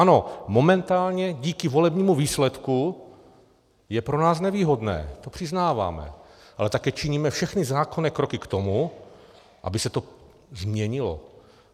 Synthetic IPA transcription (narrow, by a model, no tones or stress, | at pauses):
ano̞mo̞mɛnt̪aːlɲɛɟiːkɪvo̞lɛbɲiːmuviːslɛt̪ku | jɛpɾonaːsnɛviːɦodnɛ̰ːt̪o̞pr̝̥ɪznaːva̰ːmɛ̰ʔalɛt̪akɛːt͡ʃɪɲiːmɛfʃɛxnɪzaːkonɛːkɾokɪkt̪omu | ʔa̰bɪsɛt̪o | zmɲɛɲɪlo̰